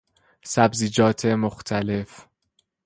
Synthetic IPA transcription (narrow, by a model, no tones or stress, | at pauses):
sæbziːd͡ʒɒːt̪ʰemoxt̪ʰæle̞f